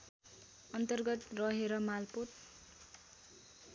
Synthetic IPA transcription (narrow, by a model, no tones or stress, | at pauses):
ʌnt̪ʌrɡʌt̪rʌɦeɾʌmalpot̪̚